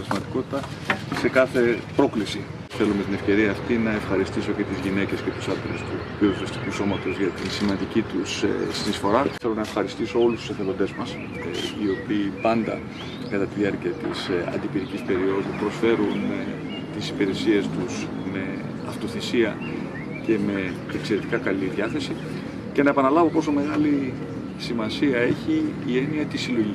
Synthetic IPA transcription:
ɾzmɐt̪iko̞t̪i̥t̪ɐse̞kɐθe̞pɾo̞klisi | θe̞lumet̪ine̞fce̞ɾiɐːft̪inɐefxɐɾist̪iso̞ce̞t̪izʝine̞ce̞sce̞t̪u̥sɐt̪ɾest̪uvioðisɐst̪ikuso̞mɐt̪o̞zʝɐt̪insimɐnd̪icit̪ussinisfo̞ɾɐe̞lo̞nɐe̞fxɐɾist̪iso̞o̞lust̪u̥seθeɾo̞d̪e̞zmɐs | io̞piːpɐnd̪ɐ̰ | kɐt̪ɐt̪iðiɐɾciɐt̪ḭsɐ̰nd̪ipiɾicispe̞ɾio̞ðupɾo̞sfe̞ɾun | t̪isipeɾe̞sie̞st̪us | me̞ | ɐft̪o̞θisiɐ | ce̞me̞ː | kse̞ɾe̞t̪ikɐkɐliðɐθe̞si | ce̞nɐepɐnɐlɐvo̞po̞so̞me̞ɣɐli | simɐsiɐe̞çiːe̞niɐt̪isilo̞ʝi

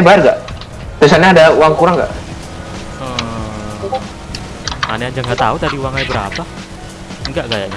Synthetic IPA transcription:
bajarɡa̰ʔ | t̪isalɲaːdauwaŋkuɾaŋɡa̰ʔ | ə | maneaɲd͡ʒaŋɡaʔt̪a̰ut̪adiuwaŋajbəɾa̰pa | ŋɡaʔɡaja̰ʔɲa

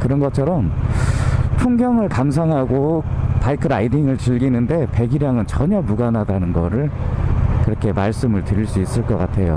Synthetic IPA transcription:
kɯɾʌnɡʌt͡ɕʰʌɾʌm | tʰuŋɡjʌŋɯɭkams̬ʰaŋɦaɡopaikʰɯɾaidiŋɯɭt͡ɕiɭɡinɯnde̞pe̞ɡiɾjaŋɯnt͡ɕʌɲʌmuɡanɦadanɯnɡʌɾɯɭ | kɯɾʌkʰe̞maɭs͈ɯmɯɭtɯɾiɭs͈uis͈ɯɭk͈ʌk͈atʰe̞jo̰

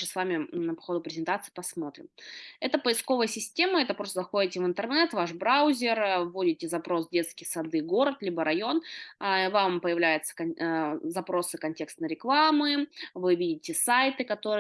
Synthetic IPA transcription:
əsvamʲɪnəpɐ̥xo̞d̪ʊpɾʲɪzʲɪnt̪at̪sɨ̥pɐsmo̞t̪ɾʲɪ̰mɛt̪əpəɪsko̞vəjəsʲɪsʲtʲe̞məɛt̪əpɾost̪əzɐxo̞dʲɪtʲɪvɨnt̪ərnɛt̪vaʂbɾaʊzʲɪrvːo̞dʲɪtʲɪzɐpɾo̞sdʲe̞t̪skʲɪjsɐd̪ɨɡo̞ɾət̪lʲibəɾɐjo̞nvampəjɪvlʲæjʊt̪sə̥kɐzɐpɾo̞sɨkɐnʲtʲe̞kst̪nəɾʲɪklˠamɨvɨvʲidʲɪtʲɪsajt̪ɨkɐt̪o̞ɾɨ

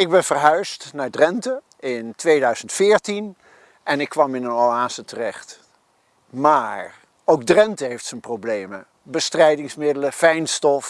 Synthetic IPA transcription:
ɪɡ̚bɛnvəɹɦœɥstnaːɹdrɛntə | ɪntʋejdœɥz̥əntfɪːɹtin | ʔɛnɪkːʋɑmɪnənɑlaːsətərɛχt | maːɹ | owɡ̚drɛntəɦejftsənprowblejmə | bəstrɛjdɪŋsmɪdələfɛjnstɔf

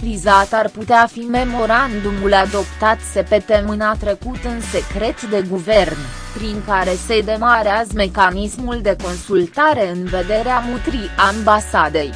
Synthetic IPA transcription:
pɾizat̪arput̪eafime̞mo̞ɾand̪umulad̪o̞pt̪at̪se̞pe̞t̪e̞mɨnat̪ɾe̞kut̪ɨnse̞kɾe̞t̪d̪e̞ɡuve̞rn | pɾiŋkaɾe̞se̞d̪e̞maɾeazme̞kanismuld̪e̞ko̞nsult̪aɾe̞ɨnve̞d̪e̞ɾeamut̪ɾiʔambasad̪e̞j

